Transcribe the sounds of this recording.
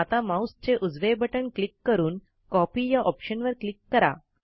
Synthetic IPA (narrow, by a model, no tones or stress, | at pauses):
at̪amaust͡ɕeʔud͡zʋebʱəʈəɳklikːəɾuːn | kɔpiːjaʔɔpɕənʋəɾklikːəɾa̰